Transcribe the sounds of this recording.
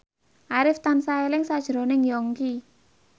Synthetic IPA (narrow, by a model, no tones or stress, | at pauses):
ʔaɾɪft̪ansaelɪŋsad̥ʒ̥ɾo̤nɪŋjɔŋki